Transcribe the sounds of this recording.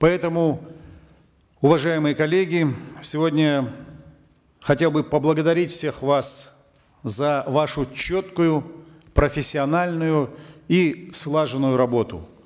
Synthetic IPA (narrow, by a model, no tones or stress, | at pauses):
pɐɛt̪əmʊ | ʊvɐʐajɪmɨjəkɐlʲːeɡʲɪsʲɪvo̞dʲnʲə | xɐtʲelˠbɨpəblˠəɡəd̪ɐɾʲitʲfsʲe̞xvas | zɐvaʂʊt͡ɕo̞t̪kʊjʊ | pɾəfʲɪsʲːɪɐnalʲnʊjʊislˠaʐɨnʊjʊɾɐbo̞t̪ʊ̰